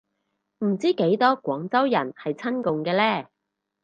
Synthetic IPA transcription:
m̩˨˩t͡siː˥ke˨˥jt̪ɔː˥kʷwɔː˨˥ŋt͡sɐ˥wjɐ̰˨˩nhɐ˨jt͡sʰɐ˥nkʊ˨ŋkɛː˧lɛː˥˩

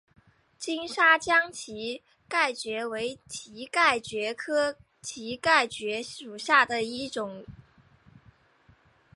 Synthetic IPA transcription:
t͡ɕi˥ŋʂa˥t͡ɕjɑ˥ŋt͡ɕʰi˧˥ | ka˥˩ɪt͡ɕɥɛ˧˥we˧˥ɪt͡ɕʰi˧˥ka˥˩ɪt͡ɕɥɛ˧˥kʰɤ˥ | t͡ɕʰi˧˥ka˥˩ɪt͡ɕɥɛ˧˥u˨˩ɕja˥˩d̪ə˩i˥˩ʈ͡ʂʊ˨˩˦ŋ

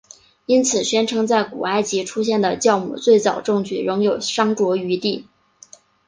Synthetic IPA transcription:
i˥nt͡sʰɹ̩˨˩ɕɥɛ˥nʈ͡ʂʰɤ˧˥ŋt͡sa˥˩ɪkṵ˨˩a˥˩ɪt͡ɕi˧˥ʈ͡ʂʰu˥ɕ̬jɛ˥˩nd̪ə˩t͡ɕjɑ˥˧ʊmṵ˨˩t͡swe˥˩ɪt͡sɑ˨˩ʊʈ͡ʂɤ˥˧ŋt͡ɕy˥˩ɻʊ˧˥ŋjo˨˩ʊʂɑ˥ŋʈ͡ʂwɔ˧˥y˧˥t̪i˥˩

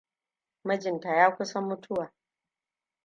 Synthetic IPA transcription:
mɐ˦d͡ʒɪ˨nta˨jaː˦kʷʊ˦sɐ˦mːʊ˦tʰʊ˦waː˨

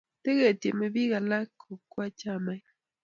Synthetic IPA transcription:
t̪e˦ɣe˦˨t̪je˨me˨bi˦ɡa˨la˦kʰo˨kwa˦t͡ʃa˦˨ma˦j

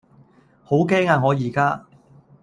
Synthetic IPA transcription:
ho˨˥wkɛː˥ŋaː˧ŋɔː˨˧jiː˨˩kaː˥

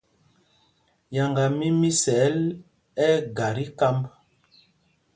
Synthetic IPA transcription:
ja˨ŋɡa˨mi˦mi˦sɛ˨˦l | ɛ˦ɡa˨ɾi˦ka˦mb

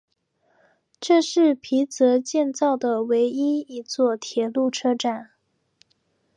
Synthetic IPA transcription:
ʈ͡ʂɤ˥˧ʂɻ̩˥˩pʰi˧˥t͡sɤ˧˥t͡ɕjɛ˥˧nt͡sɑ˥˩ʊd̪ə˩we˧˥ɪi˥i˧˥t͡swɔ˥˩t̪ʰjɛ˨˩lu˥˩ʈ͡ʂʰɤ˥ʈ͡ʂa˥˩n

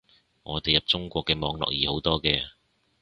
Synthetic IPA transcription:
ŋɔ̰ː˨˧t̪e˨jɐ˨p̚t͡sʊ˥ŋkʷɔː˧kːɛː˧mɔː˨˧ŋlɔ̰ː˨k̚jiː˨ho˨˥wt̪ɔː˥kɛː˧

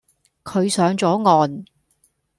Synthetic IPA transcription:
kʰɵ˨˧ɥsœː˨˧˥ŋt͡sɔː˨˥ŋɔː˨˧n

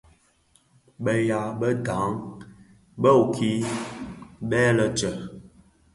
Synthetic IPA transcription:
ɓə˦ja˨˦ɓə˦da˨˦ŋ | ɓə˦u˨kʰi˦ | ɓɛː˦lə˨t͡ʃə˨

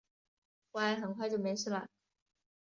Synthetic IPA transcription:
xwa˧˥ɪxə˨˩nkʰwa˥˧ɪt͡ɕo˥ʊme˧˥ɪʂ̩ʰ˥˩lə̰˨˩

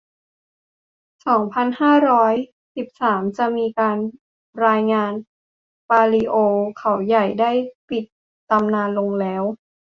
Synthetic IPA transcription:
sɔː˩˦ŋpʰa˧nhaː˥˩ɾɔː˦˥j | si˨˩p̚saː˩˦mt͡ɕa˨˩miː˧kaː˧n | ɾaː˧jŋaː˧n | paː˧liː˧ʔoː˧kʰa˩˦wja˨˩jdaː˥˩jpi˨˩t̪̚ː | a˧mnaː˧nlo˧ŋlɛː˦˥w

